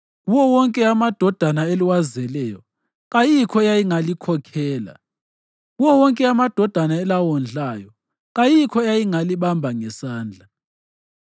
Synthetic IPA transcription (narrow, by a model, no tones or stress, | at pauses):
uwɔwɔŋkʼɛamad̥ʱɔd̥ʱanaeliwazɛlɛjɔ | ɣajikʰɔɛjajiŋalikʰɔkʰɛːla̰ | uwɔwɔŋkʼɛamad̥ʱɔd̥ʱanaɛlawɔnd͡ɮʱaːjɔ | ɣajikʰɔɛjajiŋaliɓambʱaŋɛsaːnd͡ɮʱa